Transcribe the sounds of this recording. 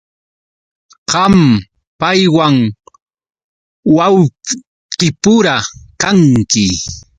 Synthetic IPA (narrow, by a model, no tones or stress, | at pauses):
ɢɑm | pajwaŋ | waw | qɪpʊɾakaŋkɪ